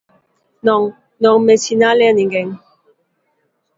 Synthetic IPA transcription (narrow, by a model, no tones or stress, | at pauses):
nɔŋ | nɔŋmesinalɛniŋɡɛŋ